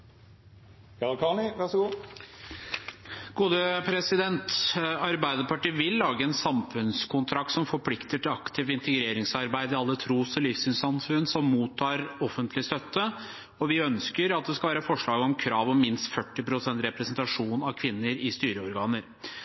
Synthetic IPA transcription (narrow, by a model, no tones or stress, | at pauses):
jɑlkʰɑːnɪʋæʁʂɔɡuː | ɡ̥uːd̪əpʰɾɛsɪd̪ɛnt̪ɑɾbæɪd̪əpɑʈiːʋɪlːɑːɡəɛnsɑmfʉnskʊnt̪ʰɾɑk̚t̪sɔmfɔɾpʰlɪkt̪əʈɪlɑkt̪ʰɪːʋɪnt̪əɡɾeːɾɪŋsɑɾbæɪd̪ɪɑlːət̪ʰɾuːsɔlifsyːnsɑmfʉnːsɔmːuːt̪ʰːɑːɾɔfənt̪ʰlɪst̪œt̪ːə | ɔʋɪœnskəɾɑt̪̚d̪ɛskɑlʋæːɾəfɔʂɭɑːɡɔmkʰɾɑːʋɔmɪnst̪fœʈːɪpɾʊsɛnt̪ɾɛpɾɛsnt̪ɑʂuːnɑʋkʰʋɪnːəɾɪst̪yːɾəɔɾɡɑːnəɾ